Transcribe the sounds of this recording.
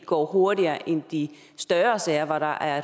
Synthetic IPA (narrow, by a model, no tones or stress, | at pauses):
ɡ̥ɒ̰ːɦo̝ɐɾiɐːʔend̥i | sd̥ɶɐsɛːɐʋɒɾ̥ɑ̈ʔæɐ